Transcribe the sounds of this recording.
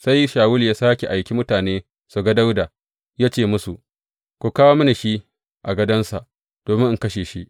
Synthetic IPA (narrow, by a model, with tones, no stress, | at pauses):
sa˦jʃaː˨wʊ˦ljaː˦saː˦kʲe˨ʔa˨jkʲi˦mʊ˦taː˨neː˦ | su˨ɡa˦da˦wda˨ | jaː˦t͡ʃeː˦˨mʊ˦su˨ʔ | kʷu˨kaː˦woː˦mɐ˦ni˨ʃi˦ | ʔa˨ɡɐ˦dɐ˦nsa˨ʔ | d̥oː˨mɪ˦ŋʔɪ˨kɐ˦ʃeː˨ʃi˦ʔ